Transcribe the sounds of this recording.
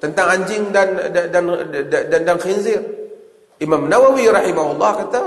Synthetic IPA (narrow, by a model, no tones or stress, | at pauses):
t̪ənt̪aŋaɲd͡ʒɪŋdandadandandanxinzɪr | ʔimamnawawiɾɑħimaɦulˠˤːɑhkat̪a